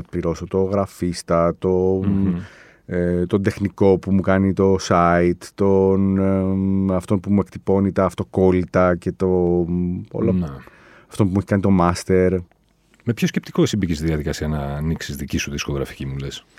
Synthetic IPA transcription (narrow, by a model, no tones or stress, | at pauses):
ɐpliɾo̞so̞t̪o̞ɣɾɐfist̪ɐt̪o̞ | t̪o̞nd̪e̞xniko̞pumukɐnit̪o̞sɐit̪t̪o̞n | ɐft̪o̞npumue̞kt̪ipo̞nit̪ɐːft̪o̞ko̞lit̪ɐce̞t̪o̞ | o̰lon | ɐft̪o̞npumueçi̥kɐnit̪o̞mɐst̪e̞ɾ | me̞pço̞scep̚t̪i̥koesimbicist̪iðiɐðikɐsiɐnɐːniksizðicisuðisko̞ɣɾɐfi̥cimule̞s